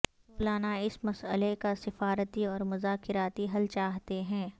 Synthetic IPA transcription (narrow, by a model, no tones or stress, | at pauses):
plaːnaɪsmɐsəlekasɪfaːɾət̪iɔːɾmʊzaːkɪɾaːt̪iɦɐlt͡ʃaːɦt̪eɦɛ̃ː